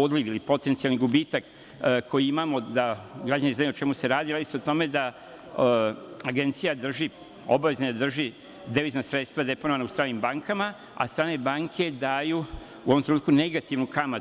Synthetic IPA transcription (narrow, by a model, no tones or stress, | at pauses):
od̪liʋilipo̞t̪e̞nt̪sialniɡubiːt̪ak | kʰo̞jiimamo̞d̪aɡɾad͡ʑanizajuot͡ʃe̞muse̞ɾaːd̪iɾaːd̪iseot̪o̞me̞d̪a | aɡe̞nt̪sijad̪r̩ʒi | o̞̰baʋe̞znad̪ad̪r̩ʒi | d̪eʋiznasɾe̞t̪st̪vʋad̪e̞po̞noʋanaust̪ɾaːnimbaŋkʰama | a̰st̪ɾaːne̞baːŋkʰe̞d̪aːju | uo̞ʋomt̪ɾeuːt̪kune̞ɡat̪iʋnukama